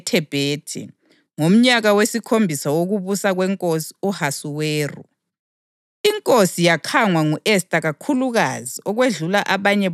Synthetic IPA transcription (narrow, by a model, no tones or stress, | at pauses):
tʰɛb̥ʱeːtʰɛ̰ | ŋom̩ɲaɣawesikʰombʱisawoɣuβusaɣwɛŋkʼosi̥uhasuweːrṵ | iŋkʼosijakʰaŋwaŋuʔestʼaɣakʰuluɣaziɔɣweɮulaʔaβaɲɛ